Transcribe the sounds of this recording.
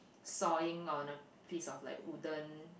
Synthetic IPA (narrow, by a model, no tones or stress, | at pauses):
sɔĩŋɔ̃nə | fisɔfla̰ɪkudə̃n